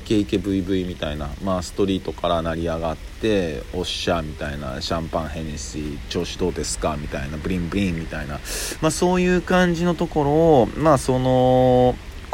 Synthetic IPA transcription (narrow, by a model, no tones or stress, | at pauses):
ke̞ike̞bɯ̟ibɯ̟imʲit̪ainamaːsɨ̥t̪o̞ɾʲiːt̪o̞kaɾanaɾʲiaɡat̪ːe̞o̞ɕamʲit̪aina̰ɕãmpãɰ̃ɦẽ̞nesit͡ɕo̞ːɕid̪o̞ːd̪e̞sɨ̥kamʲit̪ainabɯ̟ɾʲĩmbɯ̟ɾʲĩmːʲit̪ainamaso̞ːjɯ̟ːkãɲ̟d͡ʑino̞t̪o̞ko̞ɾo̞ːmaːso̞no̞